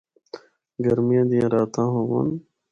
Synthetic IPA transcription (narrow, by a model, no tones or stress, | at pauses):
ɡəɾmijãːd̪ijãːɾaːt̪ʰãːɦõːʋa̰n